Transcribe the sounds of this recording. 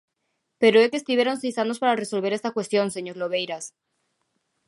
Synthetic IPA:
peɾoekest̪iβjeɾonsejsanospaɾareso̞lβe̞ɾest̪akwest̪jonseɲoɾloβ̞ejɾas

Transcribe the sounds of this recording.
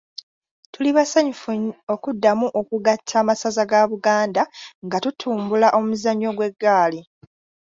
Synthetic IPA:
tuliβasaɲufuo̞kudːamuʔo̞kuɡatʰːaːmasazaɡaβuɡaːndaŋɡatutʰuːmbulaʔo̞muzaɲːo̞ɡwe̞ɡːaːli

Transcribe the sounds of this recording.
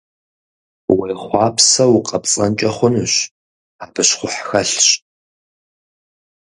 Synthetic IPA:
wejχʷɑːpʰsɐwʊqʼɐpt͡sʼɐnt͡ʃʼɐχʷʊnɨɕ | aːbɨɕχʷʊħxɐɬɕ

